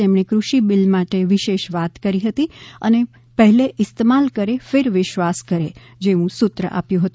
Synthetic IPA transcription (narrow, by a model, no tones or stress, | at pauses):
emɽ̃ekɾuʃibɪlmaʈeʋɪʃeʃʋat̪kəɾiɦət̪iə̰ne | pəɦɛleʔɪst̪emalkəɾefeɾʋɪʃʋaskəɾe | d͡ʒeʋũsʊt̪ɾə̰ʔa̰pjũɦət̪ũ